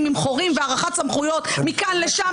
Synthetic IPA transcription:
mimχoʁimveaʁaχatt͡samχujo̞t̪mikanleʃa

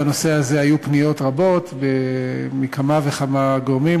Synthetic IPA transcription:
ano̞se̞aze̞hajupnijo̞tʁabo̞t̪bemikʰamaveχamaɡoʁmi

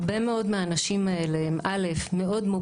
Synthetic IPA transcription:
be̞meo̞dmeaːnaʃimae̞leemʔale̞fme̞o̞dmu

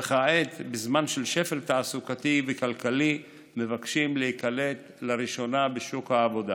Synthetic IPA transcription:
eχaʔet̪bezmanʃelʃe̞fe̞lt̪aːsukat̪ivekalkali | mevakʃimlehikale̞t̪ | laʁiʃo̞nabeʃukhaːvo̞d̪a

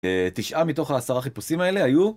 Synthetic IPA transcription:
et̪iʃʔamit̪o̞χaːsaʁaχipusimae̞le̞aju

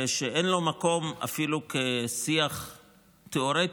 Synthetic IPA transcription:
eʃeʔenlo̞mako̞ma̰filukesiaχ | t̪eoɾet

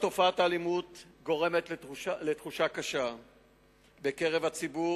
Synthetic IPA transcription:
t̪o̞faat̪aːlimut̪ɡo̞ʁe̞met̪letχuʃakaʃa | beke̞ʁevhat͡sibu

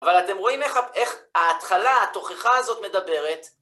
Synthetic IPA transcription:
avalat̪e̞mʁo̞imeχaeχaːt̪χalaat̪o̞χeχaːzo̞t̪me̞d̪abe̞ʁet̪

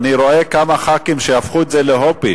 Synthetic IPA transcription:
niɾo̞ekamaχakimʃejafχuetzeleɦopi

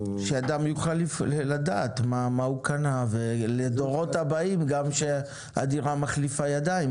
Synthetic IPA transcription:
ʃead̪amjuχalːiflada̰ːt̪mamaukanaveled̪oʁo̞tabaimɡamʃe | a̰diʁamaχlifajadaim

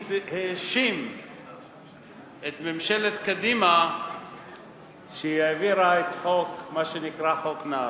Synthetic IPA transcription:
heʃim | et̪memʃelet̪kad̪ima | ʃejaviɾaet̪ħokmaʃenikʁaħokna

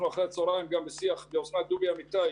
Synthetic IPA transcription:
nuaχɾeat͡soɾajimɡambesiaχbeosnad̪ubiamit̪a

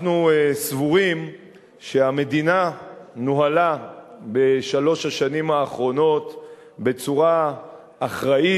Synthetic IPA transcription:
nuesvuʁim | ʃe̞ame̞dinanuɦalabe̞ʃalo̞ʃhaʃanimaːχʁo̞no̞t | be̞t͡suʁaː | χʁai

